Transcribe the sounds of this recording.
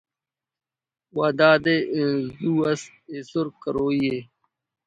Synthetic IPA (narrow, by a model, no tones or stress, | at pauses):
waːd̪aːd̪ẽzuːɐs | esuɾkɐɾoːije